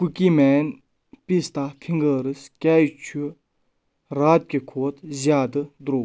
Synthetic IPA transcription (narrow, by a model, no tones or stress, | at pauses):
pukimɛːn | pist̪aːfʰiŋɡəːɾɨskʲaːjt͡ʃʰu | ɾaːt̪̚kʲekʰoːt̪ʰzʲjaːd̪ɨd̪ɾoː